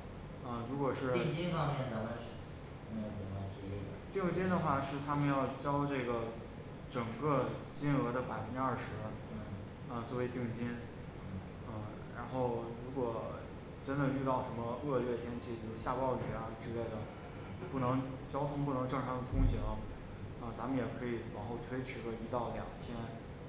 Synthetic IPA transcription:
ə˥˧ɻu˧˥kwɔ˨˩ʂɻ̩˥˩i˥˧ŋt͡ɕi˥nfɑ˥ŋmjɛ˥˧˩nt̪a˧˥ka˥˧˥ | ə˨˩a˧˥˩t̪i˥˩ŋt͡ɕi˥nd̪ə˨xwa˥˩ʂɻ̩˥˩t̪ʰa˥mə˨njɑ˥˧ʊt͡ɕjɑ˥ʊʈ͡ʂɤ˥˩ɡə˩ | ʈ͡ʂɤ˨˩ŋkə˥˧ | t͡ɕi˥nɤ˧˥d̪ə˧pa˨˩ɪfə˧˥nʈ͡ʂɻ̩˥ɐ˥˩ʂɻ̩˧˥˩ | ə˧t͡swɔ˥˩we˧˥ɪt̪i˥˩ŋt͡ɕi˥n̩˥˩ | ə˥˧ | ɻa˧˥nxo˥˩ʊɻu˧˥kwɔ˨˩ | ʈ͡ʂə˥nd̪ə˨y˥˧t̪ɑ˥˩ʊʂə˧˥nmə˧ɤ˥˧ɥɛ˥˩t̪ʰjɛ˥nt͡ɕʰi˥˩t͡ɕjo˥˧ʂɻ̩˥ɕja˥˧pɑ˥˧ʊli˨˩˧ʈ͡ʂɻ̩˥˧le˥˩ɪd̪ə˩ | pu˥˩nɤ˧˥ŋt͡ɕjɑ˥ʊt̪ʰʊ˥ŋp̬u˥˩nɤ˧˥ŋʈ͡ʂɤ˥˩ŋʈ͡ʂʰɑ˧˥ŋd̪ə˧kʰʊ˥ŋɕi˧˥ | ə˥˧˩t͡sa˧˥mə˨njɛ˨˩kʰɤ˧˥i˨˩pɑ˨˩ŋxo˥˩ʊt̪ʰwe˥ɪt͡ɕ̩ʰ˧˥lə˧˩i˧˥t̪ɑ˥˩ʊljɑ̰˨˩ŋt̪ʰjɛ˥n

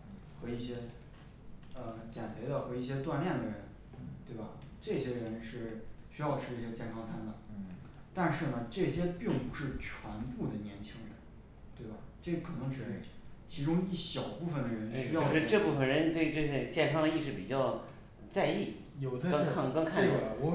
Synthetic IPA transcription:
xɤ˧˥i˥˩ɕjɛ˥ | ə˧t͡ɕjɛ˨˩nt̪ʰə˧˥ɪd̪ə˧xɤ˧˥i˥˩ɕ̬jɛ˥t̪wa˥˧nljɛ˥˩nd̪ə˩ɻə̰˧˥n | t̪we˥˩ɪbɐ˨˩ʈ͡ʂɤ˥˩ɕjɛ˥ə˧ɻə˧˥nʂɻ̩˥˩ɕy˥jɑ˥˧ʊʈ͡ʂʰɻ̩˥˧i˥˩ɕt͡ɕjɛ˥˩nkʰɑ˥ŋt͡sʰa˥nd̪ə˨˩˦ | t̪a˥˧nʂɻ̩˥˩nə˩ʈ͡ʂɤ˥˩ɕjɛ˥pi˥˩ŋpu˧˥ʂɻ̩˥˩t͡ɕʰwa˧˥npu˥˩d̪ə˩njɛ˧˥nt͡ɕʰi˥ŋɻə̰˧˥n | t̪we˥˩ɪbɐ˩ʈ͡ʂe˥˩˥kʰɤ˨˩nɤ˧˥ŋʈ͡ʂɻ̩˨˩ʂɻ̩˥˩t͡ɕʰi˧˥ʈ͡ʂʊ˥ŋi˥˩ɕjɑ˨˩ʊpu˥˩fə˩nd̪ə˩ɻə˧˥nɕyt͡ɕjo˥˧ʊʂɻ̩˥˧˥ʈ͡ʂɤ˥˧pu˥˩fə˩nɻə˧˥nt̪we˥˧ɪʈ͡ʂɤ˥˩ɕɛ˥˧˩t͡ɕjɛ˥˧nkʰɑ˥ŋə˧i˥˧ʂɻ̩˥˩pi˨˩t͡ɕjɑ˥˧ʊ | t͡sa˥˧ɪi˥˩ | jo˨˩ʊd̪ə˧˥ŋkʰɑ˥˧ŋkɑ˥ŋkʰa˥˧˥

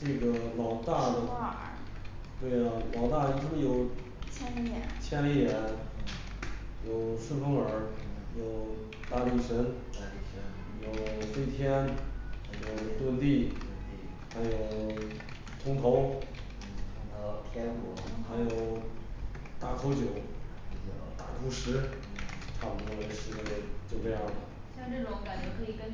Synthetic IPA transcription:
ʈ͡ʂɤ˥˩ɡə˩lɑ˨˩ʊt̪a˥˩d̪ə˧˥ | t̪we˥˩ɪ˩lɑ˨˩ʊt̪a˥˩i˧˥ʈ͡ʂə˥˧jo˨˩ʊ | ɛ˥˧˥t͡ɕʰjɛ˥nli˥˩jɛ˧˥n | jo˨˩ʊʂɻ̩˥˧fə˥ŋə˞˨˧˥jo˨˩ʊ | t̪a˥˧li˥˩ʂə˧˥n˧˥ | jo˨˩ʊʈ͡ʂe˥˧t̪ʰjɛ˥nxa˧˥ɪjo˨˩ʊt̪wə˥˧nt̪i˥˩ | xa˧˥ɪjo˨˩ʊ | t̪ʰʊ˧˥ŋt̪ʰo˧˥ʊ˨˩˧ | t̪ʰjɛ˥n˧˥xa˧˥ɪjo˨˩ʊ | t̪a˥˩kʰo˧˥ʊt͡ɕjo˨˩˦ʊ | jo˨˩t̪a̰˥˩ku˥˩ʂɻ̩˧˥ | ʈ͡ʂʰa˥˩pu˨˩k̪ɔ˥˧˩lə˧˥ɪʂɻ̩˥˧˥t͡ɕjo˥˧ʊʈ͡ʂe˥˧jɑ˥˩ŋd̪ə˩ | ɕjɑ˥˧ŋʈ͡ʂɤ˥˩ʈ͡ʂʊ˧˥ŋka˨˩˦nt͡ɕo˧˥kʰɤ˧˥i˨˩kə˥n

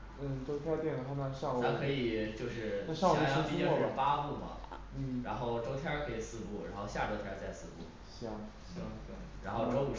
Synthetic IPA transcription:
n̩˥˩ʈ͡ʂo˥ʊt̪ʰjɑ˥t̪jɛ˥˩n˨˩xa˥na˥˧ʂɑ˥˧ŋʰ˧a˥kʰɤ˧˥i˨˩t͡ɕjo˥˧ʊʂɻ̩˥˧˥ʂɑ˥˧˥pi˥˩˥ɔ˥˩˥pa˥pu˥˩mɐ̰˩ | n̩˥˩ɻa˧˥nxo˥˩ʊʈ͡ʂo˥ʊt̪ʰjɑ˥kʰɤ˧˥i˨˩sɹ̩˥˧pu˥˩ɻa̰˧˥nxo˥˧ʊɕja˥˩ʈ͡ʂo˥ʊt̪ʰja˥t͡sa˥˧ɪsɹ̩˥˧pṵ˥˩ | ɕjɑ˥˩ŋ | ɕɑ˥˩˥ɻa˧˥nxo˥˩ʊʈ͡ʂo˥ʊ˧˩

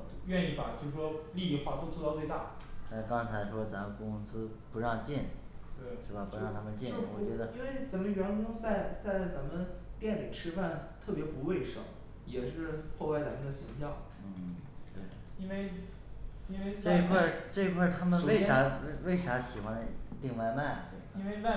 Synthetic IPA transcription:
ɥɛ˥˧ni˥˩bɐ˨˩t͡ɕjo˥˧ʊʂ̩˥˩ʂwɔ˥li˥˧i˥˧xwa˥˩t̪o˥ʊt͡swɔ˥˧t̪ɑ˥˧ʊt͡swɪt̪a̰˥˩na˥˩kɑ˥ŋt͡sʰa˧˥ɪʂʰwɔ˥t͡sa˧˥mə˨˩kʊ˥sɹ̩˥ | pu˧˥ɻɑ˥˧ŋt͡ɕjɛ˥˩nt̪we˥˩ɪʂɻ̩˥˩ba˨˩pu˧˥ɻɑ˥˩ŋt̪ʰa˥mə˨nt͡ɕjɛ˥˩˥wɔ˨˩t͡ɕɥɛ˧˥d̪ə˧i˥nwe˥˩ɪt͡sa˨˩mə˧ɥɛ˧˥nkʊ˥ŋt͡sa˥˩ɪt͡sa˥˩ɪt͡sa˧˥nmə˧nt̪jɛ˥˩nli˨˩ʈ͡ʂʰɻ̩˥fa˥˩nt̪ʰɤ˥˩pjɛ˧˥pu˧˥we˥˩ɪʂɤ̰˨˩ŋ | jɛ˨˩ʂɻ̩˥˧xo˥˧ʊwa˥˩ɪt͡sa˧˥mə˧˥˩d̪ə˨ɕi˧˥ŋɕjɑ˥˩ŋ | n̩˥˩ | t̪we˥˩ɪi˥nwe˥˧ɪ | i˥we˥˧ʈ͡ʂe˥˧˥kʰwa˥˧˩ʈ͡ʂɤ˥˧i˧kʰwa˥˩t̪ʰa˥mə˨˧we˥˩ɪʂa˧˥˧we˥˩ɪʂa˧˥ɕi˨˩xwa˧˥ni˧˥t̪i˥˧ŋwa˥˧ɪma˥˩n˩t̪we˥˩ɪ˧kʰ

